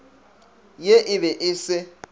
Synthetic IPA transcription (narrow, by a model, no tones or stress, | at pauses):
jeʔɪβɛʔɪsɪ